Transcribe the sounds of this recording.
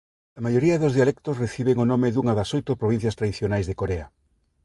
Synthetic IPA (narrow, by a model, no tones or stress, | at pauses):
ɐmajoɾiɐðozðialɛkt̪osreθiβeŋonomɪðuŋɐðɐsojt̪ʊpɾoβin̟θjɐst̪ɾaðiθjonajzðekoɾeɐ